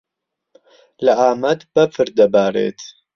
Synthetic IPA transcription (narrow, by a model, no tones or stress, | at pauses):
lɐʔaːmɐd̪bɐfʰɨɾd̪ɐbaːɾḛːt̪ʰ